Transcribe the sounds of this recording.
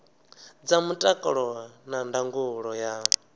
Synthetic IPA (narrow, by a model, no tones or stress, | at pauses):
d͡zamutʼakʼɔɺɔnandaŋɡuɺɔja